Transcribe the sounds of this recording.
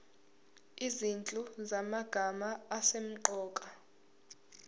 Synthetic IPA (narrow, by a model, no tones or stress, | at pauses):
izint͡ɬʼuzamaɡ̥ʱamaːsem̩ǃɔːkʼa